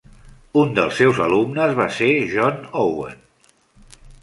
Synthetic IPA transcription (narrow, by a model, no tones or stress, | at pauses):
und̪ə̰lˠsewzə̰lumnəzβaseʒɔnowḛn